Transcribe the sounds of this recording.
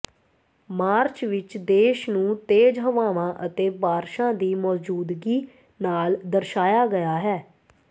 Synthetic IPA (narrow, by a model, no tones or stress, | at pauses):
maːɾt͡ʃʋɪt͡ʃd̪eːʃnũːt̪eːd͡ʒɦəʋaːʋãːʔət̪eːbaːɾʃãːd̪iːmɔːzd͡ʒuːd̪ɡiː | naːld̪əɾʃaːjaːɡəjaːɦɛː